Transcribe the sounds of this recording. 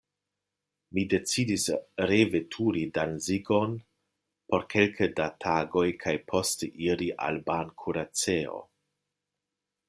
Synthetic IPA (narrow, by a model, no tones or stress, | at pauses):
mide̞t͡sidisɾevetʰuɾidanziɡo̞n | po̞ɾkʰe̞lkʰədatʰaɡo̞jkʰajpʰo̞steʔiɾiʔa̰lbankʰuɾat͡seo̞̰